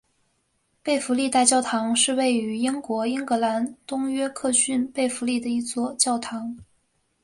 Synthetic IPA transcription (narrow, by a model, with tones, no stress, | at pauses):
pe˥˩ɪfu˧˥li˥˧t̪a˥˧ɪt͡ɕjɑ˥˩ʊt̪ʰɑ˧˥ŋʂɻ̩˥˧we˥˩ɪy˧˥i˥ŋkwɔ˧˥i˥ŋkɤ˧˥la˧˥nt̪ʊ˥ŋɥɛ˥kʰɤ˥˧ɕy˥˧npe˥˩ɪfu˧˥li˥˩d̪ə˩i˧˥t͡swɔ˥˧t͡ɕjɑ˥˩ʊt̪ʰɑ˧˥ŋ